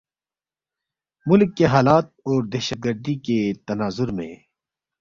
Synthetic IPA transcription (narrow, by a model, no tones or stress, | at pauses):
mʊlkːeɦaːlaːt̪̚ɔːɾd̪ɛːʃət̪̚ɡəɾd̪iket̪ɐnaːzʊɾmḛ̃